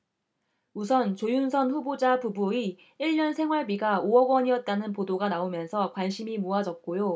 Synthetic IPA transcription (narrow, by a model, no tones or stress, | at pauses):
usʰʌnt͡ɕojunsʰʌnɸubod͡ʑapubui | iɭɲʌnsʰe̞ŋɦwaɭbiɡaoʌɡwʌɲiʌt̚t͈anɯnpodoɡanaomjʌnsʰʌkwanɕʰimimuad͡ʑʌt̚k͈ojo